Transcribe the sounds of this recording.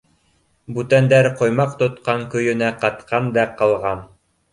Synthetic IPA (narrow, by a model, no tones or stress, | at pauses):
bʉt̪ænd̪æɾqŏjmɑqt̪ŏt̪qɑŋkɵ̆jɵ̆næqɑt̪qʰɑnd̪æqɑlˠʁɑn